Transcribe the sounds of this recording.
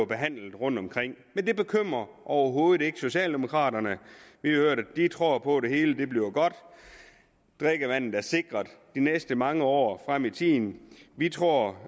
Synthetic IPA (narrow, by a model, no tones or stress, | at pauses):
ɐb̥e̝ɦæn̰l̩d̥̩ˠʁɔ̽n̰d̥ɒ̽mkʰʁeŋ̰mend̥e̝b̥e̝kʰøm̰ʁɐʔɒʊɐɦo̝ːð̞ˠd̥ˠe̝ɡ̥əso̝ɕɛ̰ːld̥e̝mo̝kʰʁɑ̰̈ːɾɐnəʋihøɐ̰ɾ̥æd̥it͡sʰʁo̝ɐ̰pʰɒ̽de̝he̝ːləd̥e̝b̥liʊɡ̥ɒ̽d̥ | d̥ʁeɡ̥əʋæn̰ð̩ˠæɐse̝ɡ̥ʁɐð̥ˠd̥inesd̥əmɑ̈ŋəɒ̰ːfʁam̰it͡sʰiːn̩ʋit͡sʰʁo̝ɐ̰